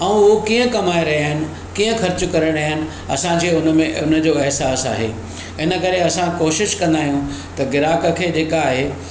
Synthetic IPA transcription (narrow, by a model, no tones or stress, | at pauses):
ɐ̃ũukiːə̃kɐmaːeɾɐɦijaːɦɪnɪ̆ | kiːə̃xɐɾt͡ɕʊkɐɾəɽ̃aːɦɪnɪ̆ | ɐ̰sãɲd͡ʑeːʊnə̆mẽʊnə̆d͡ʑoːɛɦsaːsa̰ːɦḛː | ɪnə̆kɐɾeɐsãkoːʃɪʃkɐ̃nd̪aːɦijũ | t̪ɐɡɪɾaːkə̆kʰeːd͡ʑeːkaːɦeː